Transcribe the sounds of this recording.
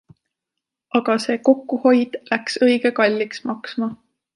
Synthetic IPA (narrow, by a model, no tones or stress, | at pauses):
ɑɡ̥ɑse̞ːko̞kːˑuho̞jd̪̥læksɤ̞jɡ̥ekɑlʲːiksmɑksmɑ